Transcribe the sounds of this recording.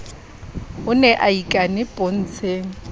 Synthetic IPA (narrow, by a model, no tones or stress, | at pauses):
ʊnɛʔaikʼanɪpʼon̩ːt͡sʰeːŋ̩